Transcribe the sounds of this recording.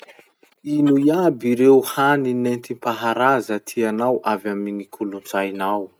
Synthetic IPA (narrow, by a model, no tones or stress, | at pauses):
inujabiɾewhaninent̪impaɦaɾazət̪ʰianawʔavaminikʰulunt͡sajnaw